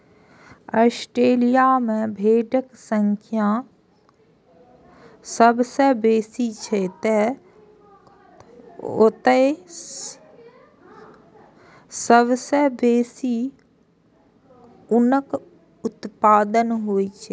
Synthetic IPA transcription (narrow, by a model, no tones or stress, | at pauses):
ɔːsʈɾeːlijamẽbʱeːɖəksə̃ŋkʰjã | səbsebeːsit͡ʃʰet̪e | o̰t̪ə | səbsebeːsi | ʊnək | ʊt̪paːd̪ənɦoːit͡ʃʰe